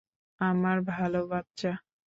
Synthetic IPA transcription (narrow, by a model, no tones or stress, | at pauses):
amaɾbʱalobat̚t͡ɕa